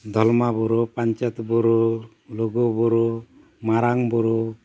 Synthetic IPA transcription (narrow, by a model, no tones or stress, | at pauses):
d̪ʱɔlmabuɾupaɲt͡ʃɔt̪buɾu | loɡubuɾu | maɾaŋbuɾu